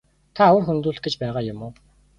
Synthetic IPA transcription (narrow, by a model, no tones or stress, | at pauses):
t̪ʰawə̆rxɵnt̪uːɮɬt̪̚ɡet͡ɕpæːʁaːjʊmʊː